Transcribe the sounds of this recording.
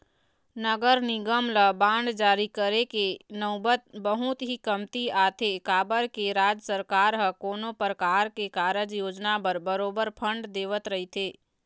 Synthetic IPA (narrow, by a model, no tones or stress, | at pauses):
nəɡəɾnɪɡəmləbãːɳɖd͡ʒaːɾikəɾekenəʊbət̪̚bəɦʊt̪ɦikəmt̪iaːt̪ʰekaːbəɾkeɾaːd͡ʒəsəɾkaːɾɦəkoːnõpəɾkaːɾkekaːɾəd͡ʒjoːd͡ʒnapəɾbəɾoːbəɾpʰə̃ɳɖd̪eːʋət̪ɾəɦit̪ʰeː